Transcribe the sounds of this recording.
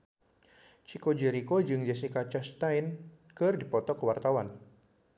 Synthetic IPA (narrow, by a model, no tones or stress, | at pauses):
t͡ʃikod͡ʒɛɾikod͡ʒɨŋd͡ʒɛsikat͡ʃast̪ajn | kɨrdipɔt̪ɔkəwart̪awan